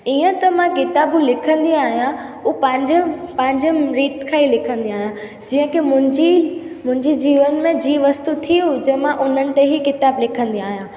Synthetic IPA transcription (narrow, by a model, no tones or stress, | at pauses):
iːə̃t̪ɐmãkɪt̪aːbũlɪkʰə̃nd̪iaːɦijãupɐ̃ɦɪ̃ɲd͡ʑpɐ̃ɦɪ̃ɲd͡ʑəmɾiːt̪kʰailɪkʰə̃nd̪iaːɦijã | d͡ʑiːə̃kemʊ̃d͡ʑimʊ̃ɦɪ̃ɲd͡ʑid͡ʑiːʋənmẽd͡ʑiːʋɐst̪ut̪ʰiud͡ʑɐmãʔʊn̤ənɪ̆t̪eɦikɪt̪aːblɪkʰə̃nd̪iaːɦijã